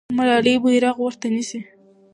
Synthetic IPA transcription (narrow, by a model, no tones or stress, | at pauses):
maɾɑlebujɾɑɣwəɾt̪anisi